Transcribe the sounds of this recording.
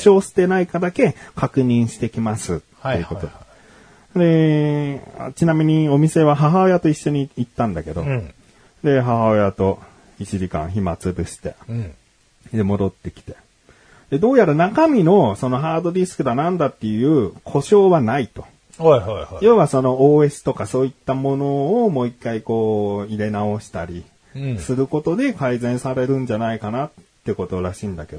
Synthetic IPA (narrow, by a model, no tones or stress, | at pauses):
ɕo̞ːsɨ̥t̪e̞naikad̪ake̞kakɯ̟ɲ̟ĩɰ̃ɕi̥t̪e̞kʲimasɨt̪ːeiɯ̟ko̞t̪o̞d̪e | d̪e̞ | a̰t͡ɕinamʲiɲ̟io̞mʲise̞βaɦaɦao̞jat̪o̞iɕːo̞ɲ̟iːt̪ːãnd̪ake̞d̪o̞̰ | d̪e̞ɦaɦao̞jat̪o̞ | it͡ɕiʑikã̰ɰ̃çimat͡sɨbɯ̟ɕi̥t̪e̞̰ | d̪e̞mo̞d̪o̞t̪ːe̞kʲi̥t̪e̞ | d̪̥e̞d̪o̞ːjaɾanakamʲino̞so̞no̞ɦaːd̪o̞d̪ʲisɨ̥kɯ̟d̪anãnd̪at̪ːe̞jɯ̟ːkʰo̞ɕo̞ːβanait̪o̞̥ | hajhajoβaso̞no̞oːe̞sɨ̥t̪o̞kaso̞ːit̪ːamo̞no̞ːmo̞ikːaiko̞ːiɾe̞nao̞ɕi̥t̪aɾʲi | sɨɾɯ̟ko̞t̪o̞d̪e̞kaizẽ̞ɰ̃saɾe̞ɾɯ̟̃ɲ̟d͡ʑanaikanat̪ːeko̞t̪o̞ɾaɕĩnd̪ake̞d̪o